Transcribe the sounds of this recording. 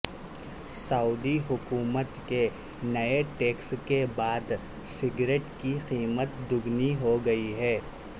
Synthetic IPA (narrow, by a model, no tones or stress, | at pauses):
sɐuːd̪iɦʊkuːmət̪ke | nɐeʈeːkskebaːd̪ | sɪɡɾeːʈkiqiːmət̪d̪ʊɡniɦoɡɐiɦɛː